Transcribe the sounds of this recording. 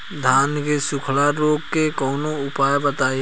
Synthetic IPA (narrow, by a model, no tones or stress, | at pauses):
d̪ʱaːnkesʊkʰlaɾoːɡ̚kekɔːnoʊpaːjbət̪aːe